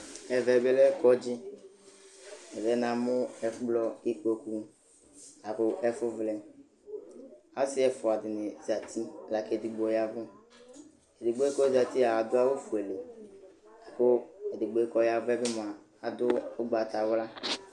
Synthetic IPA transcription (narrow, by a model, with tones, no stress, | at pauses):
ɛ˨vɛ˨bɛ˦lɛ˦kɔ˦d͡ʒɪ˦ | ɛ˨vɛ˨˦na˨mʊ˦ɛ˨˦k͡plɔ˦i˦k͡po˦ku˦ | a˨kʊ˦ʔɛ˦fʊ˦vlɛ˨ | a˨˦sɪ˦ɛ˨fʊ˨a˨dɪ˨nɪ˨za˨tʰi˦˨la˨ke˨di˨ɡ͡bo˨ja˨vʊ˦ | ɛ˨dɪ˨ɡ͡bo˦e˦kɔ˦za˨ti˦a˨a˨dʊ˦a˦wo˦fu˨e˨le˨ | a˨kʊ˦ɛ˨dɪ˨ɡ͡bo˨i˦kɔ˨ja˨vʊ˦ɛ˦bɪ˦mʊ˨aː˨ | dʊ˦ʊ˦ɡ͡ba˨ta˨wla˦